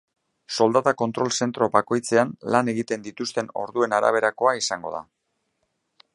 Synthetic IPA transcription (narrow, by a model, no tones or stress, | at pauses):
so̞ld̪at̪ako̞nt̪ɾo̞lse̞nt̪ɾo̞bako̞jt͡se̞anlane̞ɣ̞it̪e̞nd̪it̪ust̪e̞no̞ɾðue̞naɾa̰β̞e̞ɾako̞aisaŋɡo̞̰ða̰